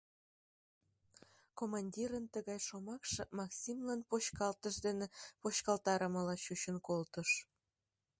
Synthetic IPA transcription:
komɑnʲdʲiɾənt̪əɣɑjʃomɑkʃɤmɑksʲimlɑnpoɕkɑlt̪əʃd̪enepoɕkɑlt̪ɑɾəməlɑɕut͡ɕənkolt̪əʃ

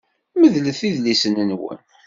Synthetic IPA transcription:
məðləθiðlisənənwə̰n

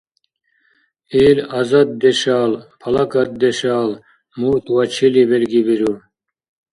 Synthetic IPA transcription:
iːlɐzɐt̪̚d̪eɕaːlpʰɐlɐkɐt̪̚d̪eɕaːl | muːt̪wɐt͡ɕʰiliβelɡibiɾu

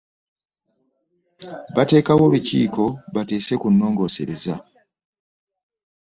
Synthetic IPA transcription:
βate̞ːkawo̞lucḭːko̞βate̞ːse̞kunːo̞ːŋɡo̞ːse̞ɾe̞za

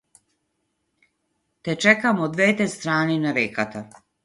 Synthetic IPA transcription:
t̪ɛt͡ʃɛkamɔd̪vɛt̪ɛst̪ɾaːninavɛkat̪a

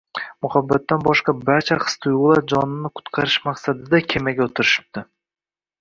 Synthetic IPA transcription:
mʊhabːat̪ːanbɒʃqɑbaɾt͡ʃʰaχɨ̥st̪ʰʊjʊlˠaɾd͡ʒɒnɪnɪkʰʊ̥t̪qʰɑɾɪʃmaqsad̪ɪd̪akʲʰemaɡʲaot̪ʰɪɾɪʃɪ̥p̚t̪ʰɪ

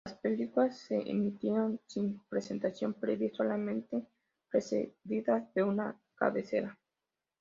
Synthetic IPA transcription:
laspelikulasːeʔḛmit̪jeɾonsimpɾesent̪asjo̞mpɾeðisalamẽnt̪e | pɾesḛðiðaðeuna | ka̰βese̞̰ɾa

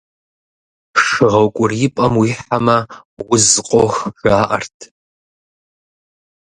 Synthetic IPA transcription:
ʂɨʁɐwkʷʼʊrjɪpʼɐmwiːħamɐwʊzqʷʼoxʒaːʔɐ̰rtʰ

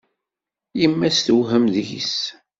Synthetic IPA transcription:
jimːæsθwɦəmðjḭs

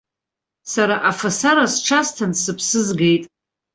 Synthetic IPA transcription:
saɾaʔafasaɾasʈ͡ʂʰastʰansɨpʰsɨzɡe̞jtʼ

